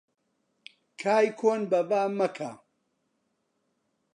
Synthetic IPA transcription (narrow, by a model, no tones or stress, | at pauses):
kʰaːjkʰoːnbɐbaːmɐkʰa